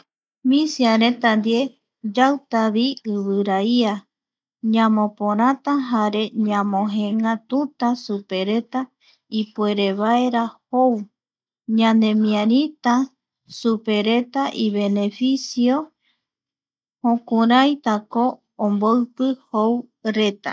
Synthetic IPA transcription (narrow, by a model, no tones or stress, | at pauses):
mĩsiaɾet̪and̪ie̞ | d͡ʒawt̪aβiɨβɨɾaia | ɲãmõpõɾ̃ãt̪aɦaɾe̞ɲãmõɦẽŋat̪ut̪asupe̞ɾe̞t̪a | ipue̞ɾe̞βaeɾahow | ɲãnd̪e̞mĩãɾit̪a | supe̞ɾet̪aʔiβe̞ne̞fisio | hõkũɾajt̪akoː | mboɨpɨhowɾe̞t̪a̰